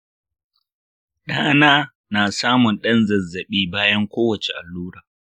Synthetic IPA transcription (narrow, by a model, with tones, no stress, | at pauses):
ɗaː˦naː˦ | naː˨saː˦mʊ˨nɗɐ˦nzɐ˨zːɐ˨ɓiː˦baː˦jɐ˦ŋkʷoː˦wɐ˨t͡ʃe˨ʔa˨lːuː˦ɽaː˨